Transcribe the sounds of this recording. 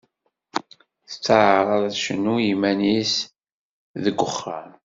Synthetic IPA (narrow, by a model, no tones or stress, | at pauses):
θə̥t͡sːəʕəɾˤɑððʃənːujimænis | ðəɡʷːəχɑ̰n